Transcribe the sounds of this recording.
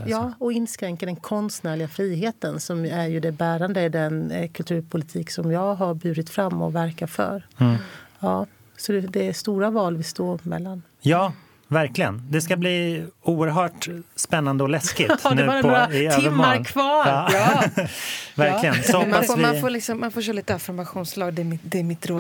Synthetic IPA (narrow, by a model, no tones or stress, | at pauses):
jɑːɔɪnːskɾɛŋkad̪ɛnkʰɔnst̪næːɭɪɡafɾiːɦeːt̪ənsɔmæɾjɵd̪ɛbæːɾand̪əɪd̪ɛnkʰɵlt̪ʰʉ̟ːɾpʰʊlɪt̪ʰiːksɔmjɑːɡɦaɾbʉ̟ːɾɪt̪fɾamːɔ̰væɾkatfœ̰ːɾ | jɑː | sɔd̪ɛd̪ɛæʂt̪uːɾavɑːlvɪst̪oːmɛ̰lːan | jɑː | væɾklɪɡə̰nd̪ɛskabliːuːəɾɦœːʈspɛnːand̪əɔlɛskɪnʉ̟ːpɔɾaɪøːɪvəmːɔːaɾnkʰvɑːɾɑː | væɾklɪɡənsɔhɔmavɪanfoːlɪksɔmːanfoːʃ̬œːɾliːt̪əafɪɾmaɧuːnslɑːɡd̪ɛmɪd̪ɛːɾmɪt̪ɾoː